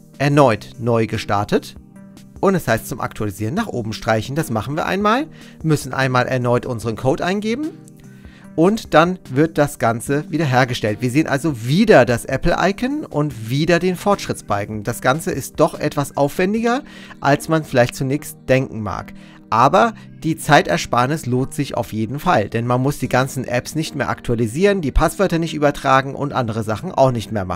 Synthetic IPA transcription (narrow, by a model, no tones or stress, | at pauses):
ʔɛɐnɔʏtnɔʏɡəʃtaɐtət | ʔʊntɛshaɪstt͡sʊmʔa̰ktʰualiziːʁənaːχʔoːbm̩ʃtʁ̥aɪçn̩dasmaχn̩viːɐʔa̰ɪnmaːl | mʏsn̩ʔa̰ɪnmaːlʔɛ̰ɐnɔʏtʔʊnzəʁənkʰoːtʔaɪnɡeːbm̩ | ʔʊntd̥anvɪɐt̚d̥asɡ̥ant͡səviːdɐɦeːɐɡəʃtɛltv̥iːɐzeːənʔa̰lzoviːdɐdasʔɛpl̩ʔa̰ɪkʰənʔʊ̰ntv̥iːdɐdeːnfɔɐtʃʁ̥ɪt͡sb̥aɪɡŋ̩d̥asɡ̥ant͡səʔɪst̚d̥ɔχʔɛtv̥asʔa̰ʊfv̥ɛndɪɡɐ | ʔalsmanfɪlaɪçtt͡sunɛːçstd̥ɛŋkŋ̩ma̰ːk | ʔaːbɐ | d̥iːt͡saɪtɛɐʃpaːnɪsloːntz̥ɪçʔa̰ʊfjeːdn̩fald̥ɛnmanmʊsd̥iːɡant͡sn̩ʔɛpsnɪçtmeːɐʔaktʰualiziːʁəndiːpʰasv̥œɐtɐnɪçtyːbɐtʁ̥aːɡŋ̩ʔʊ̰ntʔandəʁ̞əzaχn̩ʔa̰ʊxnɪçtmeːɐma̰n̩